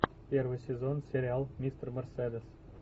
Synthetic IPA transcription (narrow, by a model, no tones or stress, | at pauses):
pʲervəsʲezonsʲeɾʲialˠmʲist̪rmʲerʲsʲed̪ʲes